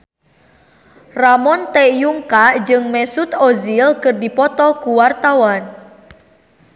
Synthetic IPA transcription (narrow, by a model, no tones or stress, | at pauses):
ramɔnt̪ɛjuŋkad͡ʒɨŋmɛsut̪ozilkɨrdipɔt̪ɔkuwart̪awan